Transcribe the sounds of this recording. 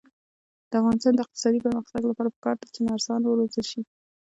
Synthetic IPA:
d̪əafɣɑnɪst̪ɑnd̪əɪq̚t̪ɪ̥sɑd̪ipəɾməxt̪aɡlapɑɾapə̥kɑɾd̪at͡ʃenɑɾsɑnwəɾozəlʃi

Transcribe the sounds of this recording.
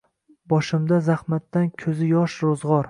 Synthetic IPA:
bɒʃɪmd̪azahmat̪ːankʲʰɵzɪjɒʃɾozʁɒɾ

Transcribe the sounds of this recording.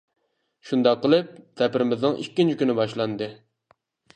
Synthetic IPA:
ʃund̪ɑqːəlˠɨp̚sɛpɾɪmɪznɨŋʔikʲːint͡ʃʰikʲynɪbɑʃlˠɑnd̪ɨ

